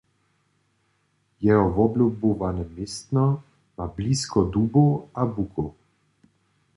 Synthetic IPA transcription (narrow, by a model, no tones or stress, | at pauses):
jɛɦɔvɔblʲubovanɛmɪst̪nɔ | mabliːskɔd̪uːboabuko